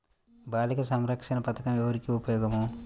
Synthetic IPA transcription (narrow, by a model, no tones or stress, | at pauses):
baːlikɐsɐmɾɐkʂɐnɐpɐt̪ʰɐ̥kɐmɛʋɐɾikiupɐjɔːɡɐmo